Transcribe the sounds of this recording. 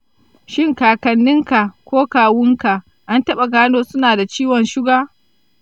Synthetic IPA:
ʃɪ˦˨ŋkaː˨kɐ˨nːɪ˦ŋka˨kʷoː˦kaː˨wʊ˦ŋka˨ʔ | ʔa˦ntɐ˦ɓa˨ɡaː˦noː˦sʊ˦naː˨da˨t͡ʃiː˦wɔ˨nʃɪ˦ɡaː˦

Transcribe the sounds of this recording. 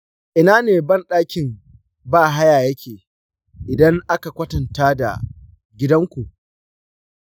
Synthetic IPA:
ʔɪ˨naː˦neː˨bɐ˦nɗaː˦kʲɪ˨ŋ | baː˦˨ɦa˦jaː˨jɐ˦kʲʰeː˨ | ʔɪ˨dɐ˦ŋʔa˦ka˨kʷɐ˦tɐ˨ntaː˦da̰˨ | ɡʲɪ˦dɐ˦ŋkʷu˨ʔ

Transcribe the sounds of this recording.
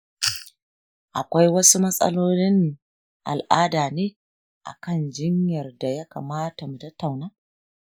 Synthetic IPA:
ʔa˨kʷa˦jwɐ˦su˦mɐ˦sʼɐ̰˦loː˦lɪ˦n˨ | ʔa̰˨lʔaː˦daː˨neː˦ | ʔa̰˨kɐ˦˨nd͡ʒɪ˦ɲjɐ˨rda˨jɐ˦ka̰ː˨maː˦ta˨mu˨tɐ˦tːa˨wnaː˦

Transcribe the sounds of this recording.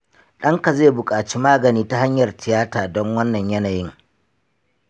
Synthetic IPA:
ɗɐ˦ŋka˨zeː˦˨bʊ˨kʼaː˨t͡ʃi˦maː˦ɡɐ˨niː˦ta˦ha˦ɲjɐ˨rtɪ˨jaː˦taː˨dɔ˦ŋwɐ˦nːɐ˨ɲjɐ˦naː˨jɪ˦ŋ

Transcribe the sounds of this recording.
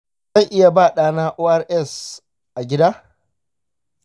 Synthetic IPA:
zɐ˦˨ŋʔɪ˦ja˨baː˦˨ɗaː˦˨naː˦ʔoː˦ʔa˦rʔɛ˦˨s | ʔa˨ɡʲɪ˦daː˦

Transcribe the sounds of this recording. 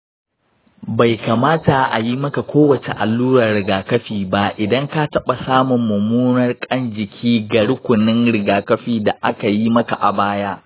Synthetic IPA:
ba˨jka˨maː˦ta˨ʔa̰˨ji˦mɐ˦ka˨kʷoː˦wɐ˨t͡ʃe˨ʔa̰˨lːuː˦ɽɐ˨rɽɪ˨ɡaː˨kɐ˦ɸiː˨ba˦ʔɪ˨dɐ˦ŋka˦tɐ˦ɓa˨saː˦mʊ˨mːʊ˨muː˦nɐ˦rkʼɐ˦nd͡ʒɪ˨kʲʰiː˦ɡɐ˨ɽʊ˦kʷʊ˨nɪ˦ŋɽɪ˨ɡaː˨kɐ˦ɸiː˦da˨ʔa̰˦ka˨ji˦mɐ˦ka̰˨ʔa˨baː˦jaː˦ʔ

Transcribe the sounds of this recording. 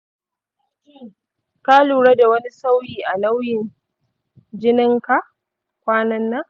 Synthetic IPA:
kiː˦ | ka˦luː˨ɾe˦da˨wɐ˦ni˦sa˦wjiː˨ʔa˨la˦wjɪ˨n | d͡ʒɪ˦nɪ˦ŋka˨ʔ | kʷaː˦nɐ˦nːa˦

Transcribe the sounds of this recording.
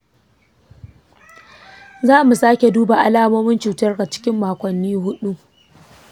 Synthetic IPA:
zaː˦mu˨saː˦kʲe˨duː˦ba˨ʔa˦laː˦moː˦mɪ˦nt͡ʃuː˨tɐ˦rɡa˨t͡ʃɪ̥˦kʲɪ˦mːaː˨kʷɔ˨nːiː˦ɦʊ˦ɗu˦

